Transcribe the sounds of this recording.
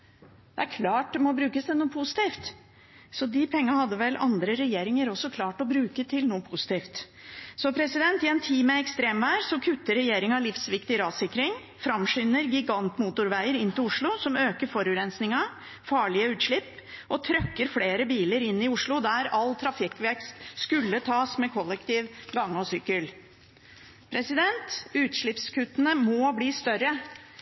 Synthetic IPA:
d̪ɛæɾkʰlɑːʈ̚d̪ɛmɔbɾʉːkəsd̪ɛnuːəpʰʊsɪ̥t̪iːft̪ | sɔd̪ɪpʰɛŋːɑhɑd̪ːəʋɛlɑ̰nd̪ɾəɾɛjeːɾɪŋəɾɔsːɔkʰlɑːʈɔbɾʉːkət̪ʰɪlnuːəpʰʊsɪ̥t̪iːft̪ | sɔpʰɾɛsɪd̪ɛnt̪ɪɛnt̪ʰiːmɛɛkst̪ɾeːmʋæːɾsɔkʰʉt̪ːəɾɛjeːɾɪŋɑlɪfsʋɪkt̪ɪɾɑːd̪sɪkːɾɪŋ | fɾɑmʂʏːnəɾɡɪɡɑnt̪muːt̪ʊɾʋæɪəɾɪnt̪ɪlʊʂɭʊsɔmøːkəɾfɔɾʉɾɛnsnɪŋɑ | fɑːɭɪəʉːt̪ʂɭɪpː | ɔt̪ʰɾœkːəɾfleːɾəbiːləɾɪnːɪʊʂɭʊd̪æɾɑlːt̪ʰɾɑfɪkːʋɛɾkst̪skʉlːət̪ʰɑːsmɛkʰɔlːɛkt̪iːʋɡɑŋːɔsʏkəl | pʰɾɛsɪd̪ɛnt̪ʉːt̪ʂɭɪpskʰʉt̪ːənəmɔbliːst̪œɾə

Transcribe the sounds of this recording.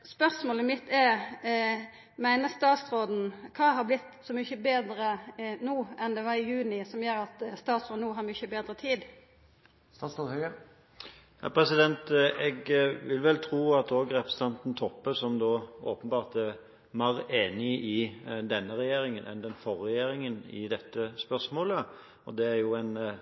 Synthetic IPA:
spœʁsmoːləmɪt̪ʰːɛɾ | mæɪnəst̪ɑːt̪sɾoːd̪n̩kʰɑːɦɑblɪt̪ːsɔmʏçəbeːd̪ɾənuːɛnd̪ɛʋɑɾɪjʉːnɪsɔmjøːɾɑt̪st̪ɑːt̪sʁoːd̪nuːɦɑɾmʏçəbeːd̪ɾət̪ʰiːd̪ | st̪ɑsohøə | jɑ̰ːpʰɾɛsɪd̪ɛnt̪ɛɡʋɪlʋɛlt̪ʰɾuːɑt̪oːɡɾɛpəst̪ɑnt̪n̩t̪ʰɔpːəsɔmd̪oːoːpənbɑːʁt̪æ | mɑɾeːnɪʔɪd̪ɛnːəɾɛjeːɾɪŋənʔɛ̰nd̪ɛnfɔɾːɛjeːɾɪŋənɪ̰d̪ɛt̪ːəspœʁsmoːlə | ɔd̪ɛæɾjʊæɪn

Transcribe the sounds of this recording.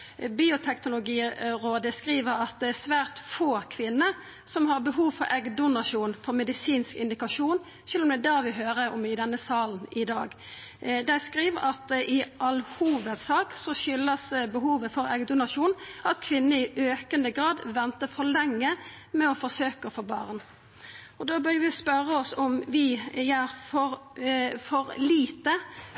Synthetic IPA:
biːʊt̪ʰɛknʊlʊɡiːʁoːd̪əskʁiːʋəɾɑt̪̚d̪ɛæsʋæːʁt̪foːkʰʋɪnːə | sɔmhɑʁbəɦuːʋfɔɾʔɛɡd̪ʊnɑʃuːnfʰɔʁmɛd̪ɪsiːnskɪ̰nd̪ɪkɑʂuːn | ʃʉːlɔmd̪ɛd̪æːʋɪɦøːɾəɔ̰mɪd̪ɛnːəsɑːln̩ɪd̪ɑːɡ | d̪æɪskʁiːʋəɑt̪ɪʔɑlhuːʋət̪sɑːksɔʃʏlːəsbəɦuːʋəfɔɾɛɡd̪ʊnɑʃuːnɑt̪kʰʋɪnːəɪʔøːkənəɡʁɑːd̪ʋɛnt̪əfɔlɛŋːə | mɛɔfɔsøːkəfɔbɑ̰ːʁn | ɔd̪oːbœɾʋɪspœɾəɔsɔmʋɪjæːɾfɔɾfɔɾliːt̪ə

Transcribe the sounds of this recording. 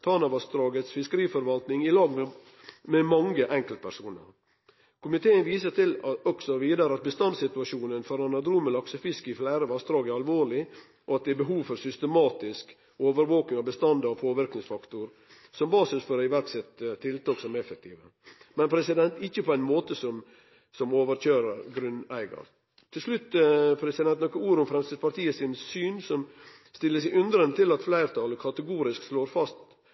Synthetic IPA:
t̪ʰɑːnɑʋɑsd̪ɾɑːɡət̪sfɪskəɾiːfɔɾʋɑlt̪nɪŋɪlɑːɡm | mɛmɑŋːəʔɛŋkəlt̪̚pʰæɾsuːnə̰ɾ | kʰʊmɪt̪ʰeːənʋiːsət̪ʰɪlɔksɔʋiːd̪ɑɾəɑt̪̚bəst̪ɑnd̪sɪt̪ʉɑʂuːnənfɔɾɑnɑd̪ɾuːməlɑksəfɪskəɪflæɪɾəʋɑst̪ɾɑːɡæɾɑlʋoːɾɭɪ | ʔɔɑt̪̚ɛɛbəɦuːʋfɔɾsʏst̪əmɑːt̪ɪsk | oːʋəɾʋoːknɪŋɑʋbəst̪ɑnd̪ɔpʰoːʋɪɾknɪŋsfɑkt̪ʊɾ | sɔmbɑːsɪsfɔːɾɪʋæɾksɛt̪t̪ʰːɪlt̪ɑːksɔmɛfək̚t̪ʰiːʋə | mɛnpʰɾɛsɪd̪ɛnt̪ɪçːəpʰɔæɪnmoːt̪əsɔm | sɔmoːʋəɾc͡çøːɾəɾɡɾʉnæɪɡɑ̰ɾ | t̪ʰɪlslʉt̪ːpʰɾɛsɪd̪ɛnt̪nɔkːəuːɾʊmfɾɛmst̪əpʰɑɾt̪iːəsɪnsyːnsɔm | st̪ɪlːəs̬ɛɪʔʉnd̪ɾənət̪ʰɪlɑt̪flæɪɾt̪ʰɑːləkʰɑt̪əɡuːɾɪsksloːɾfɑst̪

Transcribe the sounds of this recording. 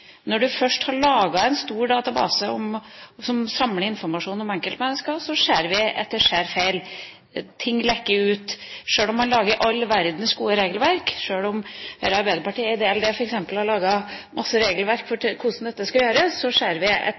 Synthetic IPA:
nɔɖʉfœʂʈhɑɭɑːɡɑɛnst̪uːɾɖɑːt̪ɑbɑ̰ːsəɔmsɔmsɑmləɪnfɔɾmɑʂuːnɔmɛŋkəlt̪mɛnːəskɑsɔʂeːɾʋɪɛ̰t̪ːəʂæːɾfeɪl | t̪ʰɪŋːlɛkːəʉːt̪ʂøːlɔmːɑnlɑːɡəɾʔɑlːʋæɾd̪nsɡuːəɾeːɡəlʋæɾkʂøːlɔmʋeːɾɑɾbæɪəɾpɑʈiːəɪd̪eːɛld̪ɛːfɔɾɛksɛmpəlhɑɭɑːɡɑmʔɑsːəɾeːɡəlʋæɾkfɔkʰʊʂn̩d̪ɛt̪ːəskɑljøːɾəsɔʂeːɾʋɪɛ̰

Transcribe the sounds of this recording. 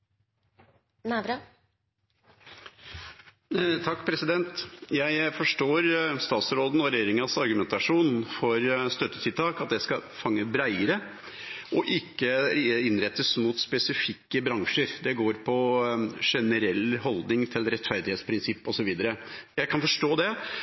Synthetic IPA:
næbɾɑ | t̪ʰɑkːpʰɾɛsɪd̪ɛnt̪jæɪfɔʂʈoːɾst̪ɑːt̪sɾoːd̪n̩ɔɾɛjeːɾɪŋɑsɑɾɡʉmɛnt̪ɑʂuːnfɔɾst̪œt̪ːət̪ʰɪlt̪ʰɑːkɑt̪̚d̪ɛskɑfɑŋːəbɾæɪəɾə | ɔʔɪkːəɪnɾɛt̪ːəsmʊt̪spɛsɪfɪkːəbɾɑŋʂəɾd̪ɛɡoːɾpʰɔʂɛnəɾɛlːhɔld̪nɪŋt̪ʰɪlɾɛt̪fæɾd̪ɪheːt̪spʰɾɪnsɪpːɔsɔʋiːd̪əɾəjæɪkʰɑnfɔʂʈoːd̪ɛ

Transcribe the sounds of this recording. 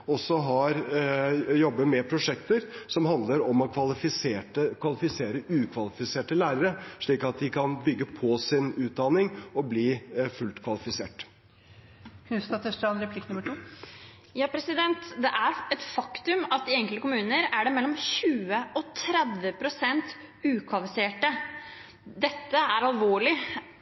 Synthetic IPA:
ɔsɔɦɑɾ | jɔbːəmɛpʰɾʊʂɛkt̪əɾsɔmhɑnd̪ləɾɔmɔkʰʋɑlɪfɪseːʈəkʰʋɑlɪfɪseːɾəʔʉːkʰʋɑlɪfɪseːʈəlæːɾəɾəʂɭiːkɑt̪̚d̪ɪkʰɑnbʏɡːəpʰɔsɪnʉːt̪̚d̪ɑnɪŋɔbliːfʉlt̪kʰʋɑlɪfɪseːʈ | kʰʉst̪ɑt̪ʰɛsʈ̪ɑnɾɛpʰlɪkːnʉməʈʰuː | jɑːpʰɾɛsɪd̪ɛnt̪d̪ɛʔæɾɛt̪fɑkt̪ʉmɑt̪̚d̪ɪɛŋkəlt̪əkʰʊmʉːnəɾæɖɛmɛlːɔmɕʉːəɔt̪ʰɾɛd̪ʋəpʰɾʊsɛnt̪ | ʉːkʰʋɑlfɪseːʈə | d̪ɛt̪ːəæɾɑlʋoːɭɪ

